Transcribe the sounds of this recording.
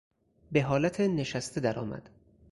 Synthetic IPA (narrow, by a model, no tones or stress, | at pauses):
be̞ɦɒːlæt̪ʰene̞ʃæst̪ʰed̪æɾɒ̰ːmæ̰d̪̥